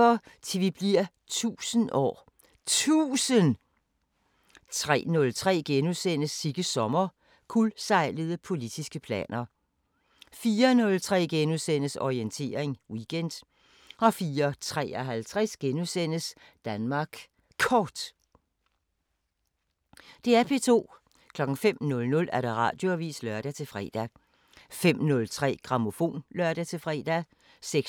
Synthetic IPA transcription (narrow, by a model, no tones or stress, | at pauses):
ɒt͡sʰe̝ʋib̥liɐ̰ | t͡sʰṵːsənʔɒ̰ː | t͡sʰṵːsən | t͡sʰʁɛ̰ːnɔ̽lt͡sʰʁɛ̰ːɡ̥enuðˠsen̰əsːiɡ̥əsɒ̽mɐ | kʰulsɑ̈ɪləð̞ˠəpʰo̝lid̥isɡ̥əpʰlɛ̰ːnɐ | fiːɐnɔ̽lt͡sʰʁɛ̰ːɡ̥enuðˠsen̰əsɒient͡sʰe̝̰ːɐ̰eŋwiɡ̥en̰d̥ | ɒ̽fiːɐt͡sʰʁɛ̰ːɒ̽ɦælt͡sʰʁasɡ̥enusen̰əsd̥ænmɑ̈ːɡ̥ | kʰːɒːd̥ | d̥e̝æɐpʰe̝t͡sʰo̝̰ː | kʰlɒ̽ɡ̥ŋ̩fem̰nɔ̽lnɔ̽læɐɾ̥ɑ̈ʁɑ̰̈ːd̥jo̝æʋḭːslœɐɾ̥æt͡sʰe̝lfʁɛ̰ːd̥æ | fem̰nɔ̽lt͡sʰʁɛ̰ːɡ̥ʁɑ̈mo̝fo̝̰ːnlɶɐd̥æt͡sʰe̝lfʁɛ̰ːd̥æ | seɡ̥